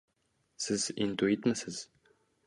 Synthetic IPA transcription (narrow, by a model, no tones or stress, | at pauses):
sɨzĩnt̪ʰuit̪mɨsɨz̥